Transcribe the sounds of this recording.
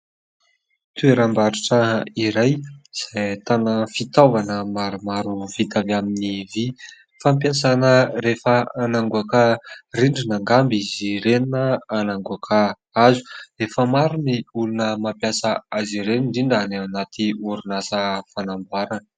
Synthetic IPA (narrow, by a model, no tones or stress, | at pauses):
t̪ueɾambaɾiʈ͡ʂəiɾajz̥ajt̪anəfit̪avanəmaɾumaɾuvit̪avaminivi | famp̬jasanəɾefəanaŋɡuakəriɳɖ͡ʐinaŋɡambiziɾeninəanaŋɡuakʰə | azu̥refəmaɾuniulunəmampjasəaziɾeniɳɖ͡ʐiɳɖ͡ʐanaanat̪ʰiuɾunasəfanambaɾanə